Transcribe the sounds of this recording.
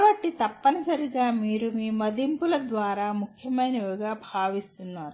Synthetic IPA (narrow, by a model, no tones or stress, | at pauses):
bɐʈːit̪ɐpːɐnɐsɐɾiɡaːmiːɾumiːmɐd̪impulɐd̪ʋaːɾaːmukʰjɐmɐjnɐʋuɡaːbʱaːʋist̪unːaːɾu